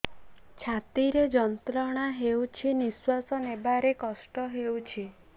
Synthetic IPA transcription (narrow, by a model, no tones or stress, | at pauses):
t͡ʃʰat̪iɾed͡ʒɔnt̪ɾɔɽ̃aɦewt͡ʃʰiniswasɔnebaɾekɔsʈɔɦewt͡ʃʰi